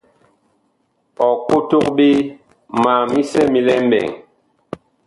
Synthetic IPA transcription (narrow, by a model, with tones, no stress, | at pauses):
ɔ˨ko˦to˦k̚ɓi˦ | ma˨mi˦sɛ˦mi˨lɛ˦m˦bɛ̰˨ŋ